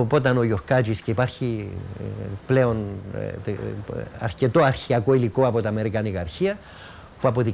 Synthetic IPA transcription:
opo̞t̪ɐno̞ʝo̞xkɐt͡ʃisceipɐɾçi | ple̞on | ɐ̰ɾce̞t̪o̞ɐɾçiɐko̞iliko̞ɐpo̞t̪iɐme̞ɾikɐnikɐːɾçiɐ | puɐpo̞ði

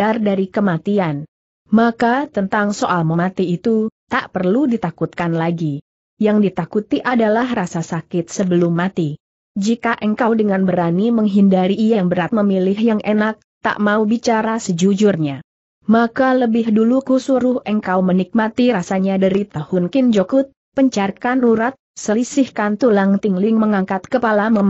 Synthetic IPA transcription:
ardaɾikəmat̪ian | makat̪ənt̪aŋsoʔalməmat̪iit̪ut̪aʔpərludit̪akut̪̚kanlaɡi | jaŋdit̪akut̪iʔadalahrasasakɪt̪̚səbəlʊmːat̪i | d͡ʒikaʔəŋkawdəŋanbəɾaniməŋɦindaɾiʔːjaŋbəɾat̪̚məmilɪɦjaŋʔenak̚t̪a̰ʔmaubit͡ʃaɾasəd͡ʒud͡ʒʊrɲa | makaləbɪɦdulukusuɾʊhʔəŋkawmənik̚mat̪iɾasaɲadaɾit̪ahʊnkɪnd͡ʒokʊt̪̚ | pəɲt͡ʃarkanuɾat̪̚səlisɪhkant̪ulaŋt̪ɪŋlɪŋməŋaŋkat̪kəpalaməm

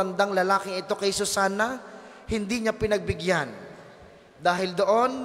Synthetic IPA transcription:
ɐnd̪aŋlɐlaːkɪŋɪt̪o̞kɐjsʊsaːnɐ | hɪnd̪iɲapɪnɐɡ̚bɪɡjan | d̪aːɦɪld̪oʔo̞n

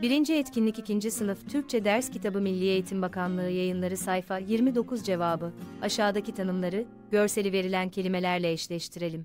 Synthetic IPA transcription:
biɾind͡ʒiɛt̪cʰinlʲicicind͡ʒisɯnɯft̪ʰyɾc̚t͡ʃʰɛd̪æɾscit̪ʰabɯmilʲːiːe̞jit̪ʰimbakʰanlˠɯɯːjajɯnlˠaɾɯsajfajiɾmid̪o̞kuzd͡ʒe̞vaːbɯaʃaːd̪acit̪ʰanɯmlˠaɾɯ | ɟ̥ø̞ɾse̞lʲive̞ɾilʲæncʰe̞lʲime̞lʲæɾlʲɛːʃlʲɛʃt̪ʰiɾe̞lʲim

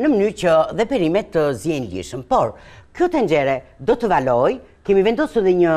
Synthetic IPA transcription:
nəmənyɾcəðɛpɛɾimɛt̪ːəzjɛnlḭɾʃəmpɔɾkjɔt̪ɛnd͡ʒɛɾɛd̪ɔt̪əvalɔj | kɛmivɛnd̪ɔsuɾðɛɲə

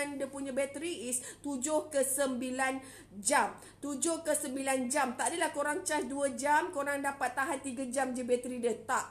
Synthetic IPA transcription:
andəpuɲãbɛt̪ɾiʔist̪ud͡ʒʊhkəsəmbilan | d͡ʒam | t̪ud͡ʒʊhkəsəmbiland͡ʒamt̪aʔdəlahkoɾaŋt͡ʃasduəd͡ʒamkoɾaŋdapat̪ːaɦant̪iɡad͡ʒamd͡ʒəbɛt̪ɾidət̪aʔ

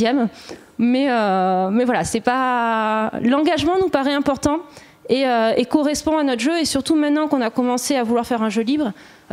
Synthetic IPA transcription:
jɛm | mɛømɛvwalasɛpa | lɑ̃ɡaʒmɑ̃nupaʁɛɛ̃pɔʁt̪ɑ̃ | eøekɔʁɛspɔ̃anɔt̪χʒøesyʁt̪umɛ̃t̪nɑ̃kɔ̃nakɔmɑ̃seavulwaʁfɛʁɛ̃ʒølibʁ

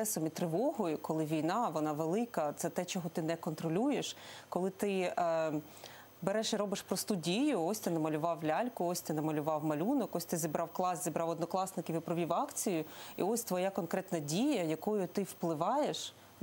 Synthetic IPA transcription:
ɛsɔmit̪ɾɪʋɔɦɔjʊkɔlˠɪʋʲijnɑʋɔnɑʋelˠɪkɐt̪sɛt̪ɛt͡ʃɔɦɔt̪ɪnɛkɔnt̪ɾɔlʲujeʃkɔlˠɪt̪ɪ | beɾɛʃiɾɔbɪʃpɾɔst̪udʲijʊɔsʲt̪ʲɪnɐmɐlʲʊʋɑwlʲɑlʲkʊɔsʲt̪ɪnɐmɔlʲʊʋɑwmɐlʲunɔkɔsʲt̪ɪzʲibɾʔɑwklˠɑsʲzʲibɾɑwɔd̪nɔklˠɑsnɪkʲɪʋɪpɾɔʋʲiwɑkt͡sʲijʊḭɔsʲt̪ʋɔjakɔnkɾɛt̪nɐdʲijɐjɐkɔjʊt̪ɪwplˠɪʋɑjeʃ

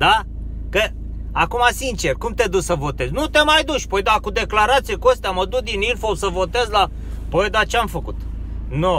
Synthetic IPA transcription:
d̪a | kə | akumasint͡ʃerkumt̪e̞d̪uʃsəvo̞t̪eznut̪e̞majd̪uʃʲpojd̪akud̪e̞klaɾat̪sijekuəst̪eaməd̪uk̚d̪inilfosəvo̞t̪e̞zla | pojd̪at͡ʃeamfəkut̪ | no

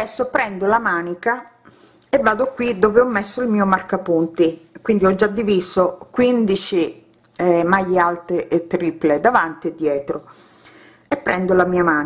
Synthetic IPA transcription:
ɛsːopɾɛnd̪olamaːnika | evːaːd̪okwid̪oːveɔmːesːoilmiːomarkapunt̪ikwind̪iɔd͡ʒːad̪ːiviːsokwind̪it͡ʃi | majealt̪eʔet̪ːɾiːpled̪avant̪ied̪ːjɛːt̪ɾo | epːɾɛnd̪olamiːamaːn

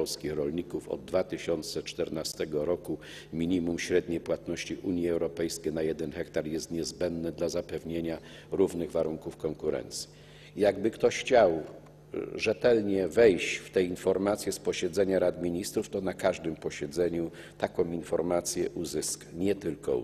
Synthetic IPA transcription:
ɔlskʲixɾɔlɲikufɔ̰d̪ːvat̪ɘɕɔnt̪sɛt͡ʂt̪ɛɾnast̪ɛɡɔɾɔku | mʲiɲimumɕɾɛd̪ɲejpwat̪nɔɕt͡ɕiʔuɲjɛɛwɾɔpɛjskʲenajɛd̪ɛnxɛkt̪aɾjɛst̪ɲɛzbɛnd̪nɘd̪lazapɛvɲeɲa | ɾuvnɘɣvaɾuŋkufkɔŋkuɾɛ̰nt̪sʲji̥ | jaɡbɘkt̪ɔxt͡ɕaw | ʐɛt̪ɛlɲɛvɛjt͡ɕft̪ɛinfɔɾmat̪sʲjɛspɔɕɛd̪zɛɲaɾad̪mʲiɲist̪ɾuft̪ɔnakaʐd̪ɘmpɔɕɛd̪zɛɲu | t̪akɔ̃w̃infɔɾmat̪sʲjɛʔuzɘskɲɛt̪ɘlkɔ̰

